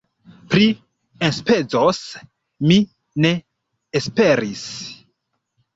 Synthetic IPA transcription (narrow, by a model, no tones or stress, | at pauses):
pɾi | enspe̞d͡zos | mi | ne̞ː | spe̞ɾis